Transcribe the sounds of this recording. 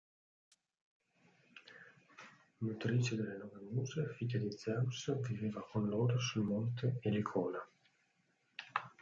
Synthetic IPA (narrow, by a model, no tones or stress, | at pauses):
mut̪ɾit͡ʃed̪elːenɔvenjuːzefit̪ad̪id̪zamsviveːvakʰonloːɾosulmont̪eelikʰɔːla